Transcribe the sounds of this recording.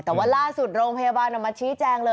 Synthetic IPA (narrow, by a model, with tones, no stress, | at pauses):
t̪ɛː˨˩waː˦˥˩laː˥˩su˨˩t̪̚ɾoː˧ŋpʰa˧jaː˧baː˧nʔa˨˩ma˧t͡ɕʰiː˦˥t͡ɕɛː˧ŋlɤː˧